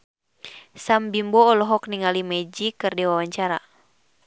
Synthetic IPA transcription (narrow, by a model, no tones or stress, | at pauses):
sambimbɔːlɔɦɔkniŋalimɛd͡ʒikɨrdiwawaɲt͡ʃaɾa̰